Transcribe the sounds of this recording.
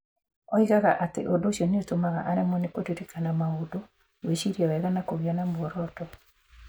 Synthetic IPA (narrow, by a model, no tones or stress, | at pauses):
ɔiɣaɣaʔatḛʔodoɕiɔnetomaɣa̰ʔaɾɛmɔnekodiɾekanamaodo | weɕiɾawɛɣanakoɣjɔnamwɔɾɔtɔ